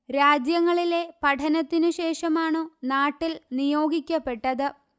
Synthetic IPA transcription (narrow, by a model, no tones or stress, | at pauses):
ɾaːd͡ʑjɐŋːɐɭile̞pɐʈʰɐnɐt̪ːinɨɕe̞ːʂɐmaːɳɨnaːʈːilnijo̞ːɡʱikʲːɐpːe̞ʈːɐðɨ